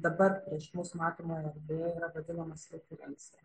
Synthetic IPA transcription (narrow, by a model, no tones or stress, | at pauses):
d̪ɐbɐɾpʲɾʲiɛʃmʊsmɑːt̪oːmoːjɛɐɾʲd̪ʲɛiːɾɐʋɐd̪ʲɪnɐmɐsʲɪt̪ʲuɾʲɛ̰ŋksʲɛ